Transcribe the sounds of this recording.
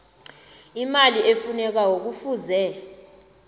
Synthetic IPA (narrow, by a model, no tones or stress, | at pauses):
imaliʔefunɛk̬awok̬ufuːzɛ